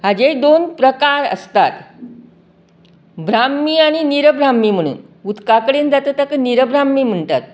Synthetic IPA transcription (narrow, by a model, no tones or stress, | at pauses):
ɦad͡ʑed̪onpɾəkaɾə̰st̪at̪ | bɾamːiːaɽ̃iniɾəbɾamːiːm̤əɽ̃ṵːn | ut̪kakəɽend͡zat̪ət̪əkniɾəbɾamːiːm̤əɳt̪at̪̚